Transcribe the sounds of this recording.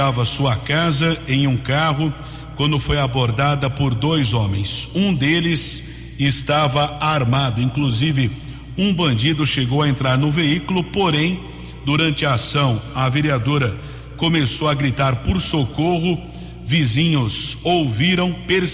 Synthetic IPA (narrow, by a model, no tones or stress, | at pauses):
avɐsuɐkazɐẽj̃ũkaɦʊ | kwɐ̃nd̪ʊfojaboɾd̪ad̪ɐpoɾd̪ojzõmḛ̃j̃sũd̪elɪs | ɪst̪avɐaɾmad̪ʊĩkluzivɪ | ũbɐ̃nd͡ʒid̪ʊʃeɡowɐẽnt̪ɾaɾnʊveikʊlʊpoɾẽj̃ | d̪uɾɐ̃nt͡ʃɪɐasɐ̃w̃ɐveɾiad̪oɾɐ | komesowɐɡɾit̪aɾpʊɾsokoɦʊ | vizĩɲʊzowviɾɐ̃w̃peɾs